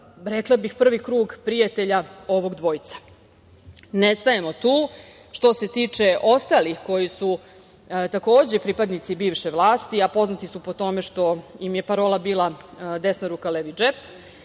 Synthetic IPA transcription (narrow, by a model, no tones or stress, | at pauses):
ɾeklˠabixpr̩ʋikɾuːɡpɾijat̪e̞ʎao̞ʋo̞ɡd̪ʋo̞jit̪sḁ | nest̪ajemo̞t̪uː | ʃt̪o̞se̞t̪iːt͡ʂe̞ʔo̞st̪alixko̞jisu | t̪ako̞ːd͡ʑepɾiːpad̪nit̪sibiːʋʃeʋlˠaːst̪iapo̞znat̪isupo̞t̪o̞me̞ʃt̪o̞jimjepaɾo̞ːlabiːlˠad̪esnaɾuːkaleʋid͡ʒep